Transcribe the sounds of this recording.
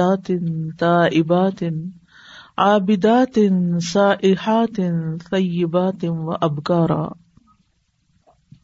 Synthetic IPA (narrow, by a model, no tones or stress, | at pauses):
aːt̪t̪aːʔɪbaːt̪ | ʕaːbɪd̪aːt̪nsaːʔɪħaːt̪nt̪ˤɑjːɪbaːt̪wa̰ʔabkɑːɾˤɑ̰ː